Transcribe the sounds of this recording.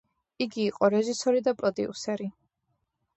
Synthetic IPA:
iɡiːqʼɔɾɛʒisɔɾid̪apʼɾɔd̪ḭṵsɛɾi

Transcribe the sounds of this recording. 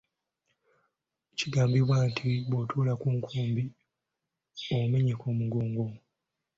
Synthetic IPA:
ciɡaːmbiβwaːntʰiβwotʰuːlakuːŋkʰuːmbi | ome̞ɲe̞koːmuɡoːŋɡo

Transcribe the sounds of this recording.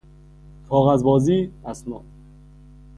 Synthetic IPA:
kʰɒːɣæzbɒːziːæsnɒː

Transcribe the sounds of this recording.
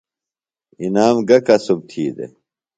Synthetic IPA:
inaːmɡɐkɐsub̚t̪ʰiːd̪ḛ

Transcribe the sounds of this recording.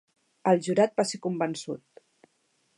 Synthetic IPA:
əlˠʒuɾat̪̚basekumbənsṵt̪̚

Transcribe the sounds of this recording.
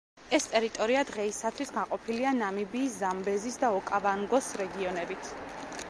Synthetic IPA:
ɛst̪ʼɛɾit̪ʼɔɾiad̪ʁɛisat̪ʰwisɡaqʼɔpʰilianamibiːszambɛzisd̪aɔkʼavaŋɡɔsɾɛɡiɔnɛbit̪ʰ

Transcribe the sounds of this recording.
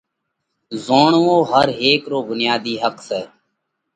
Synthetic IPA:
zoːɳʋõːɦəɾɦeːkɾoːbʊnɪjaːd̪iːɦəksɛː

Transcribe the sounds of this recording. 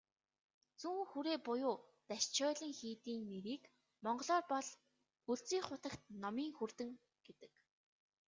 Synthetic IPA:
t͡suŋxuɾeːpʊjʊːt̪æʃt͡ɕʰɔːɮə̆ŋxiːt̪iːŋneɾiːk | mɔɴɢɞ̆ɮɔːrpɔɮ | uɮt͡siːŋχʊt̪ə̆kt̪̚nɔmiːŋxur̥t̪ɘ̆ŋ | ɡ̥et̪ɘ̥̆k

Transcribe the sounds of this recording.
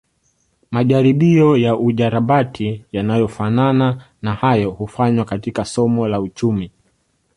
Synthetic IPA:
maʄaɾiɓiɔjaʔuʄaɾaɓatʰijanajɔfanana | nahajɔhufaɲwakatikasɔmɔlaut͡ʃumi

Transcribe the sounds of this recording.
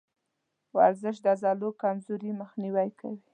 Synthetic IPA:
wa̰ɾzəʃ̬d̪əazɑlokamzoɾiməxniwajkʰa̰wi

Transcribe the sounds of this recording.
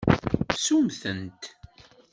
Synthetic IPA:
sumθənt̪

